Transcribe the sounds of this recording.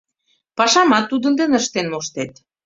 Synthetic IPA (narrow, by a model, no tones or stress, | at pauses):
pɑʃɑmɑt̪ːud̪ə̆nd̪enəʃt̪enmoʃt̪et̪